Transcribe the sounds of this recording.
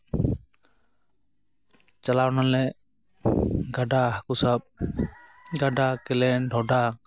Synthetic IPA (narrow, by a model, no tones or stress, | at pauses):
t͡ʃəlawnalɛ | ɡaɖaɦəkusaɓ̚ | ɡaɖakɛlɛɖʱɔɖa